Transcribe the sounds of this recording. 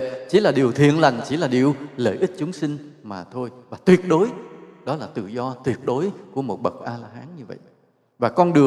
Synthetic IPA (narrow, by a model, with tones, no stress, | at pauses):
t͡ɕḭ˧˩˦laː˨˩ɗi˨˩əwt̪ʰwḭ˧˨ənla˨˩jŋ̟t͡ɕi˧˩laː˨˩ɗi˨˩əwləː˧˩jʔi˦˥t̚t͡ɕʊ˨˦ŋ͡msï˧ŋ̟maː˨˩t̪ʰo˧jvaː˨˩t̪wi˨˩ət̚ɗo˨˦jɗɔ˨˦laː˨˩t̪ɨ̰˧˨zɔ˧t̪wi˨˩ət̚ɗo˨˦jku˧˩əmo˨˩t̚ɓə˨˩k̚ʔaː˧laː˧ɦaː˨˦nɲɨ˧və̰˧˨jʔ | vaː˨˩kɔ˧nɗɨ˨˩ə